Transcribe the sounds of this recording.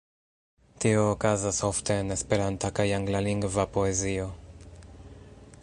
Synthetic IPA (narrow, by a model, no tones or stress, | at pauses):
t̪ioːkazasoft̪eːnespeɾant̪akajaŋɡlaliŋɡvapoezio